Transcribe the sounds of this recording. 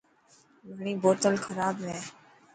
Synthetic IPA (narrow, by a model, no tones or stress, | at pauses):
bʱəɳ̃iːboːt̪əlkʰəɾaːbɾɛː